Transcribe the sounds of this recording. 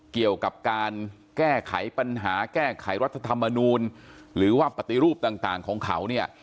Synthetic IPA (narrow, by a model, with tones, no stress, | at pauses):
ki˨˩əwka˨˩p̚kaː˧n | kɛː˥˩kʰa̰˩˦jpa˧nɦaː˩˦kɛː˥˩kʰa˨˩˦jɾa˦˥t̪ʰːa˧t̪ʰa˧mːa˧nuː˧nɾɯː˩˦waː˥˩pa˨˩t̪i˨ɾuː˥˩p̚t̪aː˨˩ŋt̪aː˨˩ŋkʰɔː˩˦ŋkʰa˨˩˦wni˥˩ɐ